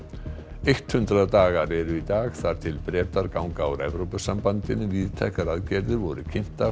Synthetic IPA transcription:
ejht̪hʏnt̪ɾaðt̪aːɣaɾɛɾʏit̪aːɣθað̥t̪ʰɪlpɾɛːt̪aɾkawŋkawɾɛ̰vɾowpasampant̪ɪnːɪviːðt̪ʰɛhkaɾaðcɛɾðɪvɔɾʏcʰɪn̥t̪a

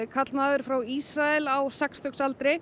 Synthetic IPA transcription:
kʰat̪lmaːðʏɾ̥fɾawissɾaɛlawsɛkst̪œksalt̪ɾɪ

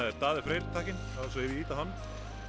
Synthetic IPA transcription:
aðɛɾt̪aːðɪfɾejɾt̪ʰahcɪn | aðɛs̬ɔɪvɪiːt̪ahanː

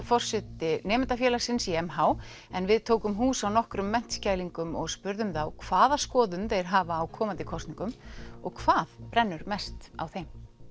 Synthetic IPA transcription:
fɔr̥sɛt̪ɪnɛːmɪnt̪afjɛːlaɾ̥sɪnsiɛmɦaːw | ɛnvɪðt̪ʰoːwkʏmɦuːsawnɔhkɾʏmːɛn̥t̪scaːjliŋkʏmɔ̰ɣspʏɾðʏmθawkʰv̥aːðaskɔːðʏnθejɾ̥ɦaːvaːwkʰɔːmant̪ɪkʰɔst̪niŋkʏmɔɣkʰv̥aːðpɾɛnːʏɾmɛst̪a̰wθejm

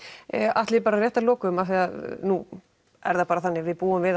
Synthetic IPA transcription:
ʔaht̪lɪpaːɾarjɛht̪alɔːkʏmaθiaðnu | ɛ̰ɾðapaːɾaθanːɪɣvɪðpuːʏmvɪð

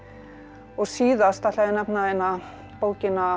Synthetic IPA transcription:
ɔɣsiːðast̪at̪laðɪnɛpnaejnːa | poːwcɪnːa

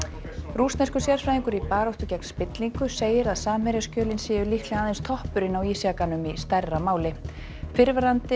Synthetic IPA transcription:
rust̪ɛskʏsjɛɾ̥fɾajðiŋkʏɾipaːɾowht̪ʏcɛk̚n̥spɪt̪liŋkʏseːjɪɾaðsaːmhɛɾjascœːlɪnsɛːjʏlihk̪lɪaːðenst̪ʰɔhpʏɾɪnawiːsjakanʏmist̪ɛrrːamaːwlɪ | fɪɾvaɾant̪ɪ

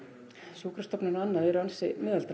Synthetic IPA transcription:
suːkɾḁst̪ɔpnɪnanːaðɛɾansɪmɪːðalt̪ɾ

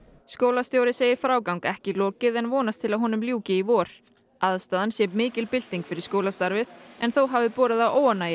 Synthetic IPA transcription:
skoːwlast̪jowɾɪseːjɪɾ̥fɾaːwkawŋkɛhcɪlɔːcɪðɛnvɔːnast̪ʰɪlaðɦɔːnʏmljuːcɪivɔːɾ̥ | aðst̪aːðansjɛːpmɪːcɪlpɪl̥t̪iŋkfɪɾɪɾ̥skoːwlast̪aɾvɪðɛnθowɦavɪpɔːɾɪðawʔoːwanaj

